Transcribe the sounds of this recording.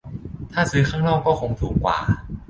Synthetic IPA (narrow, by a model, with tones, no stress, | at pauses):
t̪ʰaː˥˩sɯː˨˦kʰaː˥˩ŋnaː˥˩wkɔː˥˩kʰo˧ŋt̪ʰuː˩˦ŋkwa̰ː˨˩